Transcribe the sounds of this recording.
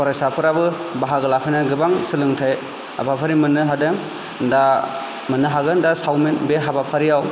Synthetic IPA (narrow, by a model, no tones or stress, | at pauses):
pʰɔɾajsapʰɯɾabɯ | baɦaɡɯlapʰajnaɡɯbaŋsɯlɯŋtʰaj | a̰bʰapʰaɾimɯnɯɦadɯŋ | nda | mɯnːɯɦaɡɯndasawminbeɦabapʰaɾijaw